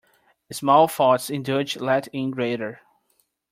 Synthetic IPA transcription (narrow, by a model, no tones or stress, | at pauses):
ɨsmɔlˠfɔtsɪ̃ndəd͡ʒlɛtɪ̃nɡɹeɪɾə˞